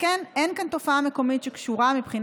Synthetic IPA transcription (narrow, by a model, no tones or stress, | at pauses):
kenenkant̪o̞faame̞ko̞mit̪ʃekʃuʁamipχin